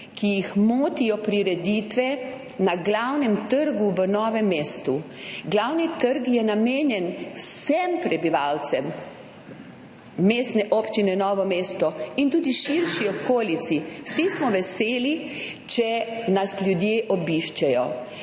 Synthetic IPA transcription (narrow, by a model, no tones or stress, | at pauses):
kijixmoːt̪ijɔpɾiɾɛd̪it̪ʋɛ | naɡlawnɛmt̪əɾɡuʋənɔːʋɛmːeːst̪uɡlawnit̪əɾkjɛnameːnjɛnwsɛmpɾɛbiʋalt̪sɛm | eːst̪nɛʔopt͡ʃinɛnɔːʋɔmeːst̪ɔint̪uːd̪iʃiɾʃiɔkoːlit̪siwsismɔʋɛseːli | t͡ʃɛnasljud̪jeːʔɔbiʃt͡ʃɛjɔ